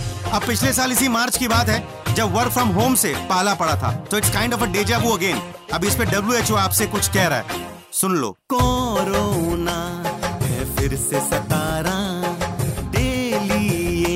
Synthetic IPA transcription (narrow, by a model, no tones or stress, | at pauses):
ɐb̚pɪt͡ʃʰles̬aːlɪsimaːɾt͡ʃkibaːt̪ɦɛ | d͡ʒɐbʋɐɾkfɾɔmɦoːmsepaːlapɐɽat̪ʰa̰ːt̪oːɪʈskãːɪ̃ɳɖɔːfəɖeːd͡ʒabuɐɡeːn | ɐbiɪspẽɖɐbljueːt͡ʃoaːpsekʊt͡ʃʰkɛɦɾaːɦɛ̰ː | sʊnlo̰ːkoɾoːna | ɛpʰɪɾsesɐt̪aːɾa | ɖeːlie